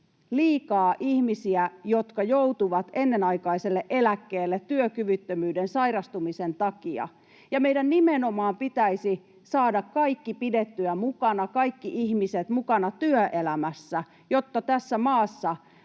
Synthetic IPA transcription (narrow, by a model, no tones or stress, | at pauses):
liːkɑːʔihmisiæjot̪kɑjout̪uʋɑt̪enːenɑikɑiselːeʔelækːeːlːet̪t̪yøkyʋyt̪ːømyːdensɑirɑst̪umisent̪ɑkiɑ̰ | jɑmeidænnimenomɑːmpit̪æisi | sɑːdɑkkɑikːipidet̪ːyæmukɑnɑkɑikːiʔihmiset̪mukɑnɑt̪yøʔelæmæsːæ | jot̪ːɑt̪æsːæmɑːsːɑ